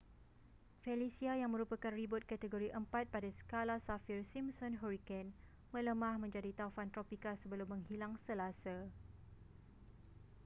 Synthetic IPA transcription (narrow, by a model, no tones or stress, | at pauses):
fɛlisiajaŋmə̃ɾupakanribʊt̪̚kat̪əɡoɾiʔəmpat̪̚padasə̥kalasafirsimsɔnɦɔɾikɛn | mələmãhmə̃ɲd͡ʒadit̪afant̪ɾopikasəbəlʊmːə̃ŋɦilaŋsəlasa